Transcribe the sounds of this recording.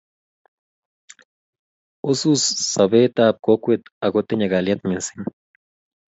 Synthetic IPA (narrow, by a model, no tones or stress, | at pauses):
ususːaβeːt̪aːp̚kokʷet̪aɡot̪eɲaɡaljat̪mensin